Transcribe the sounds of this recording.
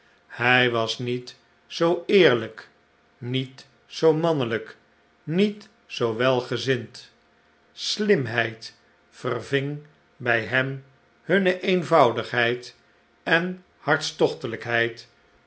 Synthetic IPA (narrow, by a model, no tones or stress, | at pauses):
hɛjʋɑsnit | zowɪːɹlək | nit | sowmɑnələk | nit | sowʋɛlˠχəzɪnt | slɪmɦɛjt | fərvɪŋ | bɛjɦɛm | hɵnəʔejnvɑwdəχɦɛjt | ɛn | hɑɹtstɔχtələkɦɛjt